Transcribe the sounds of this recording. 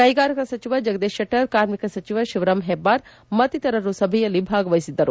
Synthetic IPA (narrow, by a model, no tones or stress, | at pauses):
kɐjɡaːɾɐkɐsɐt͡ʃiʋɐd͡ʒɐɡɐd̪eːʃjɐʈːɐɾkaːɾmikɐsɐt͡ʃiʋɐʃiʋɾɐmɦebːaːɾ | mɐt̪it̪ɐɾɐɾusɐbʱɐjɐlːibʱaːɡɐʋɐjisid̪ːɐɾu